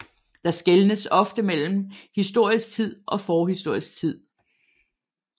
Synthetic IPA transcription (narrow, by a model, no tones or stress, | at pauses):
d̥ɑ̈sɡ̥elnəsɒ̽fd̥əmel̰m̩hisd̥o̝ɐ̰isɡ̥̚t͡sʰið̞̰ˠʔɒ̽fɒːɦisd̥o̝ɐ̰isɡ̥t͡sʰið̰ˠ